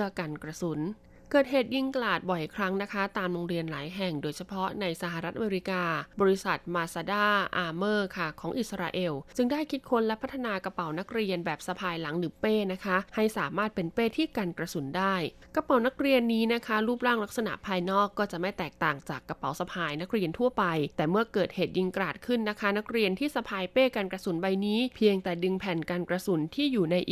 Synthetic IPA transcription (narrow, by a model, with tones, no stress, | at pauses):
əkaː˧nkɾa˧su˩˦n | kɤː˨˩t̪̚ɦeː˨˩t̪̚ji˧ŋka˧laː˨˩t̪̚bɔ˨˩jkʰɾa˦˥ŋna˦˥kʰa˦˥t̪aː˧mloː˧ŋɾi˧ənlaː˩˦jɦɛ˨˩ŋdoː˧jt͡ɕʰa˧pʰɔ˦˥na˧jsa˧ɦaː˨˩ɾa˦˥t̪̚ʔa˧me˧ɾi˦˥kaː˧bɔː˧ɾi˦˥sa˨˩t̪̚maː˧saː˧daː˥˩ʔaː˧mɤː˥˩kʰa˥˩kʰɔː˩˦ŋʔi˨˩sa˧ɾa̰ː˧ʔe˧wt͡ɕɯ˧ŋdaː˥˩jkʰi˦t̪̚kʰo˦˥nlɛ˦˥pʰa˦˥t̪ʰːa˧naː˧kɾa˧pa˩˦wna˦˥k̚ɾi˧ənbɛː˨˩p̚sa˧pʰaː˧jla˩˦ŋlɯː˩˦peː˥˩na˦˥kʰa˦˥ha˥˩jsaː˩˦maː˥˩t̪̚pe˧npeː˥˩t̪ʰiː˥˩kaː˧nkɾa˧su˩˦ndaː˥˩j | kɾa˧pa˨˩˦wna˦˥k̚ɾi˧ənːiː˦˥na˦˥kʰa˦˥ɾuː˥˩p̚ɾaː˥˩ŋla˦˥k̚sa˧na̰˨˩ʔpʰaː˧jnɔː˥˩kːɔː˥˩t͡ɕa˨˩ʔma˥˩t̪ɛː˨˩k̚t̪aː˨˩ŋt͡ɕaː˨˩kːɾa˧pa˩˦wsa˧pʰaː˧jna˦˥k̚ɾi˧ənt̪ʰu˥˩əpa˧jt̪ɛː˨˩mɯ˥˩ɐkɤː˨˩t̪̚heː˨˩t̪̚ji˧ŋkɾaː˨˩t̪̚kʰɯ˥˩nːa˦˥kʰa˦˥na˦˥k̚ɾi˧ənt̪ʰiː˥˩sa˧pʰaː˧jpeː˥˩ka˧nkɾa˧su˨˩˦nba˧jniː˦˥pʰi˧əŋt̪ɛː˨˩dɯ˧ŋpʰɛː˨˩nkaː˧nkɾa˧su˨˩˦nt̪ʰiː˥˩juː˨˩na˧jʔː